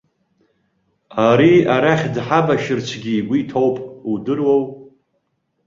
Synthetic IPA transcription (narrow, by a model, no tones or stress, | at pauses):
aɾiaɾaχʲdħabaʃɨrt͡ʃʷʰɡʲiɡʷitʰowpʼudɨrwow